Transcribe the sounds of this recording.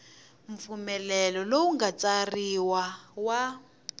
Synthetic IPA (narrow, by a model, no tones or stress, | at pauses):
ɱfumɛlɛlɔlowuŋɡat͡sariwawa